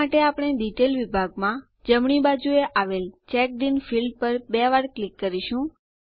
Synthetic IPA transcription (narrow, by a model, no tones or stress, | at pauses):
aʈeapɽ̃eɖiʈelʋibʱaɡmã | d͡ʒəmɳ̃ibad͡ʒueʔaʋelt͡ʃɛk̚ɖinfilɖ̚pəɾbeʋaɾklikːəɾiʃũ